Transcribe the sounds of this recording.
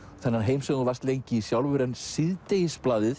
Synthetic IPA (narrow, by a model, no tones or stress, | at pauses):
θɛnːaɾɦeːjmsɛɣvast̪lejɲcɪisjawlvʏɾɛnsɪðt̪ejsplaːðɪθ